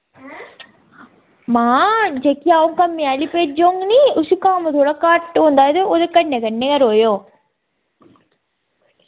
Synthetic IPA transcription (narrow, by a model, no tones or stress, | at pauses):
maːd͡ʒekijaːʋuŋkɐmːialipeːd͡ʒoŋɡniusukaːmɐt̪oːɽɐkaːʈond̪aːjd̪eod̪ekːɐɳːekɐnːeɡɐɾoːjoː